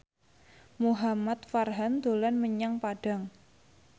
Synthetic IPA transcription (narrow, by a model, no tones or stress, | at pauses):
muɦamat̪farɦand̪̥o̤lanməɲaŋpaɖ̥a̤ŋ